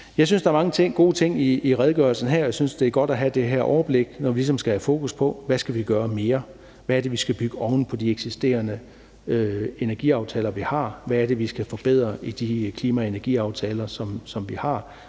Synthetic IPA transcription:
jɑ̈ɪs̬ynsd̥ɑ̈ɐmɑ̈ŋət͡sʰe̝ŋ̰ɡ̥o̝ːt͡sʰe̝ŋ̰iːʁɛð̞ˠɡ̥œɐl̩sn̩ɦæɐ̰jasynsd̥e̝æɡ̥ɒ̽ɾ̥æɦæd̥e̝ɦæɐʔɒʊɐb̥le̝ɡ̥nɒʋilis̬ɒ̽msɡ̥æhæfo̝ːkʰuspʰɒ̽ʋæsɡ̥æʋiɡ̥ɶːɐme̝ːɐ | ʋæɐd̥e̝ʋisɡ̥æb̥yɡ̥əɒ̽ʊn̩pʰɒ̽d̥ieɡ̥sisd̥e̝̰ːɐnə | øe̝næɐɡ̥ḭːɑ̈ʊt͡sʰɛ̰ːlɐʋihɑ̈ʋæːɐɾ̥e̝ʋisɡ̥æfɒ̽b̥eð̞̰ˠʁɐid̥ikʰliːmæe̝nɐɡ̥ḭːɑ̈ʊt͡sʰɛːlɐsɒ̽msɒ̽mʋihɑ̈

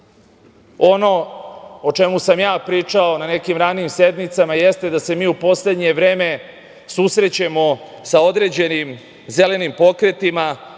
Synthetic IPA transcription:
o̞no̞ot͡ʃemusamjaːpɾiːt͡ʂao̞nane̞kimɾaːnimse̞d̪mit̪samajest̪e̞d̪ase̞miːupo̞sle̞d̪ɲe̞ʋɾe̞ːme̞ | susɾe̞t͡ɕemo̞sao̞d̪ɾe̞d͡ʑe̞nim | ze̞le̞nimpo̞kɾe̞t̪ima

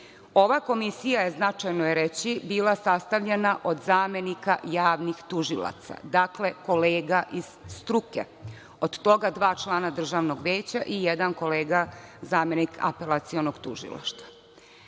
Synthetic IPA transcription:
o̞ʋako̞misijaje̞znat͡ʂajnojeɾet͡ɕibiːlˠasast̪aʋʎenaʔo̞d̪zaːme̞nikajaːʋnixt̪uʒilˠa̰t̪sa̰d̪akle̞ko̞leːɡaʔiz̥st̪ɾukḛ | od̪t̪o̞ɡad̪ʋaːt͡ʃlˠaːnad̪r̩ʒaːʋnoɡʋeːt͡ɕaʔijed̪anko̞leːɡazaːme̞nikʰa̰pe̞lˠat̪sio̞noɡt̪uʒḭla̰ʃt̪ʋa

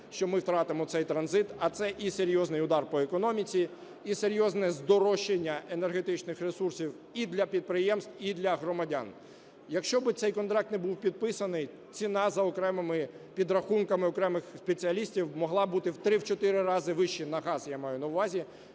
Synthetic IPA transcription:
ʃt͡ʃɔmɪwt̪ɾɑt̪ɪmɔt̪sɛjt̪ɾɐnzɪt̪ɐt̪sɛʔiseɾʲjɔznɪjʊd̪ɑrpɔekɔnɔmʲit͡sʲi | iseɾʲjɔznɛzd̪ɔɾɔʃenʲːɐʔenerɦet̪ɪt͡ʃnɪxresursʲiw | id̪lʲɐpʲid̪̚pɾɪjɛmst̪wid̪lʲɐɦɾɔmɐdʲa̰n | jɐkʃt͡ʃɔbɪt̪sɛjkɔnt̪ɾɑk̚t̪nɛbuwpʲid̪̚pɪsɐnɪj | t͡sʲinɑzɐɔkɾɛmɪmɪ | pʲid̪ɾɐxunkɐmɪɔkɾɛmɪxspet͡sʲiɐlʲisʲtʲiwmɔɦlˠɑbut̪ɪwt̪ɾɪwt͡ʃɔt̪ɪɾɪɾɑzɪʋɪʃt͡ʃinɐɦɑzjamɑjʊnɐwʋɑzʲi

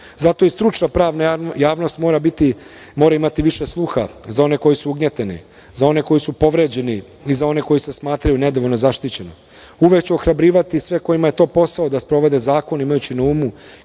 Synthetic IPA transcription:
zat̪o̞ist̪ɾut͡ʃnapɾaːʋnajaːʋno̞st̪mo̞ːɾabit̪i | mo̞ːɾaimat̪iʋiʃeslˠuxazao̞ne̞ko̞jisuuɡɲet̪enḭ | zao̞ne̞ko̞jisupo̞ʋɾed͡ʑe̞ni | izao̞ne̞ko̞jise̞smaːt̪ɾajune̞d̪oʋo̞lʲnozaʃt̪it͡ɕe̞no̞̰ | uʋe̞kt͡ɕeoxɾabɾiːʋat̪isʋe̞ko̞jimaje̞t̪o̞ːpo̞sao̞d̪aspɾo̞ʋe̞d̪e̞zaːko̞nimajut͡ɕinauːmu

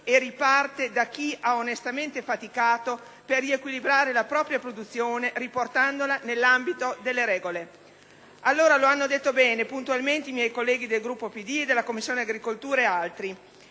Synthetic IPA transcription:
eripart̪ed̪akiʔaonest̪ament̪efat̪ikaːt̪o | perːiekwilibɾaːɾelapɾɔːpɾjapɾod̪ut̪sːjoːneriport̪and̪olanelːambit̪od̪elːeɾɛːɡole | alːoːɾaloanːod̪et̪ːobɛːnepunt̪ualment̪eimjɛjkolːɛːɡid̪elɡɾupːopid̪ied̪elːakomːisːjoːneaɡɾikolt̪uːɾaealt̪ɾi

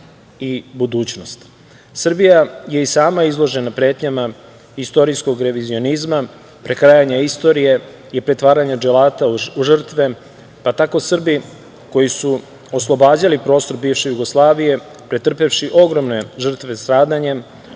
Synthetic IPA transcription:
ibud̪uːt͡ɕno̞st̪ | sr̩bijaje̞isaːmaizlˠo̞ʒe̞napɾe̞ːt̪ɲama | ist̪o̞ɾisko̞ɡɾe̞ʋizio̞nizma | pɾe̞kɾajaɲaist̪o̞ɾije̞ | ipɾe̞t̪ʋaːɾaɲad͡ʒelaːt̪auʒər̩t̪ʋe̞ | pat̪ako̞sr̩bi | ko̞jisu | o̞slˠo̞baːd͡ʑalipɾo̞ːst̪o̞ɾbiːʋʃe̞juɡoslˠaːʋije̞ | pɾet̪r̩pe̞fʃiʔo̞ɡɾo̞mne̞ʒr̩t̪ʋe̞st̪ɾaːd̪aɲe

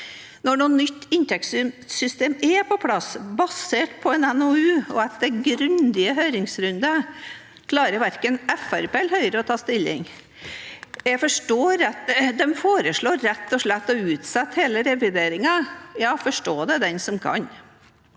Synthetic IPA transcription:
nɔɳuːnːʏt̪ːɪnt̪ʰɛkssʏst̪eːmɛpʰɔpʰlɑsbɑseːʈpʰɔɛnɛnoʉːɔɑt̪d̪ɛɡɾʉnd̪ɪəɦœʏɾɪŋsɾʉnd̪ə | kʰlɑːɾəɾʋæɾkənɛfæɾpeːlɦœʏɾəɔt̪ʰɑːst̪ɪlːɪ̰ŋ | jæfɔʂʈoːɾɛt̪d̪ɛmfoːɾəʂɭoːɾɛt̪ːɔʂɭɛt̪ːɔʉːt̪sɛt̪ːheːləɾɛʋɪd̪eːɾɪŋɑjɑːfɔʂʈoːd̪ɛd̪ɛnsɔmkʰɑ̰n

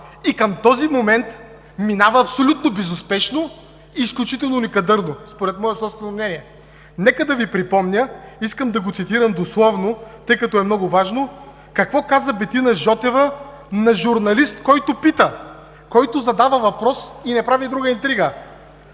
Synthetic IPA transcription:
ikɐmt̪ɔzimomɛnt̪ | minavɐːpsolʲut̪nobɛzʊspɛʃno | iːsklʲut͡ʃit̪ɛlˠnonʲikɐd̪ɤɾnospoɾɛt̪mɔjɛsˠɔpst̪vɛnomnɛniɛ | nɛkəd̪ɐvipɾipɔmnʲəiskəmd̪ɐɡot̪sit̪iɾɐmd̪oslˠɔvnot̪ɤjkɐt̪ɔɛmnɔɡʊvaʒno | kɐkvɔkazəbɛt̪inɐʒɔt̪ɛvə | nɐʒuɾnɐlist̪kɔjt̪ʊpit̪ə | kɔjt̪ʊzɐd̪avəvɐpɾɔsinɛpɾavid̪ɾuɡəint̪ɾiɡə

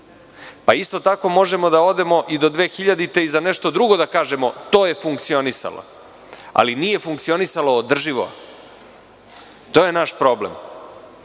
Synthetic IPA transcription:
paist̪ot̪ako̞mo̞ʒe̞mo̞d̪ao̞d̪e̞mo̞ʔid̪o̞d̪ʋe̞ːxiʎad̪it̪e̞izane̞ʃt̪o̞d̪ɾuɡo̞d̪akaːʒe̞mo̞t̪o̞ːje̞fuŋkt̪sio̞nisa̰lo̰ | a̰linije̞fuŋk̚t̪sio̞nisalo̞ːd̪r̩ʒiʋo̰ | t̪oːjenaʃpɾo̞blḛm

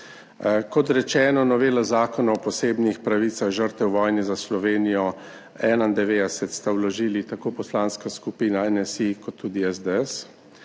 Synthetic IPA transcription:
kɔt̪ɾɛt͡ʃɛːnɔnɔʋeːlazaːkɔnaɔpɔseːbnixpɾaʋiːt̪saɣʒəɾt̪ɛwʋɔːjnɛzaslɔʋeːnijɔ | ɛːnaind̪ɛʋeːd̪ɛsɛt̪st̪awlɔʒiːlit̪akoːpɔslanskaskupiːnaɛnɛsikɔt̪ʰːuːd̪iɛzd̪ɛɛs

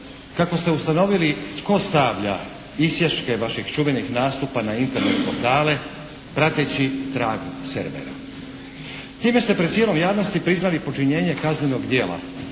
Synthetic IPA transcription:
kako̞st̪e̞ust̪ano̞ʋilit̪ko̞st̪aʋʎa̰ | isjeʃke̞ʋaʃiɡt͡ʃuʋe̞nixnaːst̪upanaint̪e̞ɾnet̪poɾt̪aːle̞ | pɾat̪et͡ɕit̪ɾaːɡusḛɾʋḛɾa̰ | t̪iːme̞st̪e̞pɾed̪sjelo̞mjaːʋno̞st̪ipɾiznalipo̞t͡ʃiɲe̞ːɲe̞kazne̞no̞ɡd̪je̞ːla̰

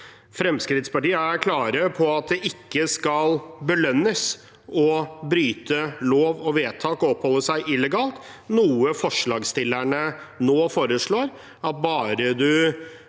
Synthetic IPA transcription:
fɾɛmskɾɪt̪spɑʈiːəæɾkʰlɑːɾəpʰɔɑt̪̚d̪ɛʔɪkːəskɑlbəlœnːəs | ɔbɾyːt̪əloːʋɔʋeːt̪ʰɑːkɔɔpːhɔlːəʂæɪʔɪlːɛɡɑːlt̪nuːəfɔʂɭɑːɡst̪ɪlːæɳənoːfoːɾəʂɭoːɾ | ɑt̪̚bɑːɾəd̪ʉ

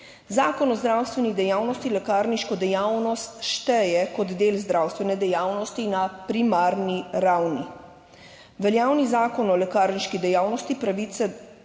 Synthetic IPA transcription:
zaːkɔnɔzd̪ɾawst̪ʋɛnid̪ɛjaːwnɔst̪ilɛkaːɾniʃkɔd̪ɛjawnɔst̪ʃt̪ɛjɛkɔd̪d̪eːlzd̪ɾawst̪ʋɛnɛd̪ɛjaːwnɔst̪inapɾimaːɾniɾawni | ʋɛljaːwnizaːkɔnɔlɛkaːɾniʃkid̪ɛjawnɔst̪ipɾaʋit̪sɛ

